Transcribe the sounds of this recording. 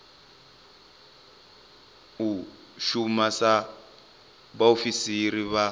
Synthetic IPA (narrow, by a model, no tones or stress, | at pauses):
u | ʃumasa | βaofisiriβa